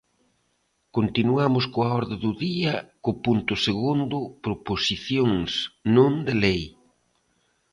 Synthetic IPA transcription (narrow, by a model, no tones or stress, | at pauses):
kont̪inuamʊskoaɔɾðɪðʊðiɐkʊpunt̪ʊseɣund̪ʊpɾoposiθjoŋsnõnd̪elej